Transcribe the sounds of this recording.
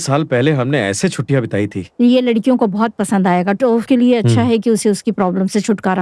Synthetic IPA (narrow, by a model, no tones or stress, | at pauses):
saːlpɛɦleɦɐmneɛ̰ːset͡ʃʰʊʈːijabɪt̪a̰ːit̪ʰḭːjelɐɽkijõkobɔɦɔt̪̚pɐsə̃nd̪aːjeːɡaʈoːfkelieɐtːʃʰaɦɛk̬iʊseʊskipɾɔːbləmset͡ʃʰʊʈkaɾɐ